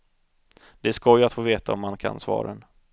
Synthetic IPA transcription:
d̪̥ɛskɔjat̪foːveːt̪aɔmːankʰa̰nsvɑ̰ːɾən

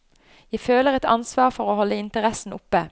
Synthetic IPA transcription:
jæɪføːləʁɛt̪ɑ̰nsʋɑːʁfɔʁoːhɔləɪnt̪əʁɛsn̩ʊpə

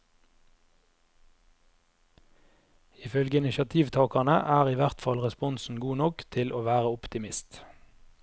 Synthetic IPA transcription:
iːfœlɡəɪnɪʃɑt̪ʰiːʋt̪ʰɑːkɑnəʔæːʁiːʋæʁt̪fɑlʁɛspɔnsn̩ɡuːnɔkt̪ʰɪlʔoːʋæːʁəʊpt̪ɪmɪst̪

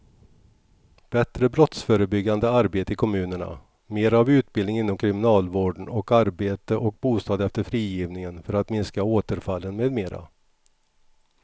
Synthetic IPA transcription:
b̥ɛt̪ɾəbɾɔt̪sfœːɾəbʏɡːand̪əaɾbeːt̪əɪkʰɔmʉ̟ːnəɳa̰ | meːɾavʉ̟ːt̪̚bɪld̪ɪŋɪnːɔmkʰɾɪmɪnɑːlvoːɖɳ̩ɔkaɾbeːt̪əʔɔk̚buːst̪ɑːd̪ɛft̪əɾfɾiːjiːvnɪŋənfœɾat̪mɪnskaoːt̪əɾfalːənmeːd̪meːɾa̰

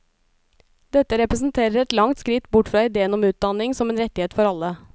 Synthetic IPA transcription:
d̪ɛt̪ːəɾɛpɾəsn̩t̪ʰeːɾəɾɛt̪lɑŋt̪skɾɪt̪ːbʊʈfɾɑːɪd̪eːənɔmʉːt̪̚d̪ɑnɪŋsɔmeːnɾɛt̪ːɪheːt̪fɔɾɑlːə

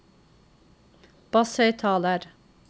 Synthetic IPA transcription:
b̥ɑsœʏt̪ʰɑːləɾ

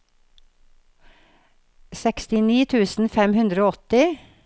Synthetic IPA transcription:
sɛkst̪ɪniːt̪ʰʉːsn̩fɛmhʉnd̪ɾəoːɔt̪ɪ

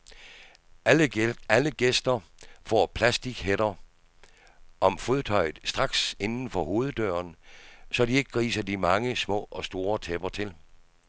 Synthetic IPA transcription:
æləɡ̥esd̥ɐfɒ̰ːpʰlæsd̥iɡ̥heɾɐ | ʔɒ̽mfoðˠt͡sʰɒ̽ɪ̰ð̩ˠsd̥ʁɑ̈ɡ̥se̝nn̩fɒ̽ho̝ːð̞̩ˠd̥œːɐnsɒ̽die̝ɡ̥əɡ̥ʁḭːsɐd̥imɑ̈ŋəsmɔ̰̽ːɒ̽sd̥o̝ːɐt͡sʰeb̥ɐt͡sʰe̝l

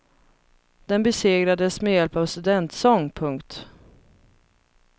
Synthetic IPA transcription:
d̪̥ɛnbɛseːɡɾad̪əsmɛjɛlpavst̪ɵd̪ɛnt̪sɔŋːpʰɵŋkt̪

